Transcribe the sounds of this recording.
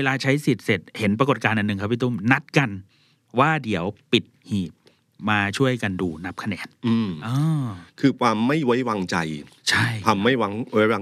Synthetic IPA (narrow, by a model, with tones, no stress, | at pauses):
eː˧laː˧t͡ɕʰa˦˥jsi˨˩t̪̚se˨˩t̪̚he˩˦npɾko˨˩t̪̚kaː˧nʔa˨˩nːɯ˨˩ŋkʰa˦˥pʰi˦˩t̪u˥˩mna˦˥t̪̚ka˧n | waː˥˩di˨˩˦əwpi˨˩t̪̚hiː˨˩p̚ | maː˧t͡ɕʰu˥˩əjka˧nduː˧na˦˥p̚kʰa˧nɛ̰ː˧nʔɯː˧˩mʔɤː˧kʰɯː˧kʰwaː˧mːa˥˩jwa˦˥jwaː˧ŋt͡ɕa˧jt͡ɕʰa˥˩jʰa˧mːa˥˩jwa˧ŋwa˦˥jwaː˧